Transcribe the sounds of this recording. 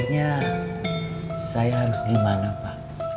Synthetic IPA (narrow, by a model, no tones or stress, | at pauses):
t̚ɲa | sajaɦaɾusɡimanapaʔ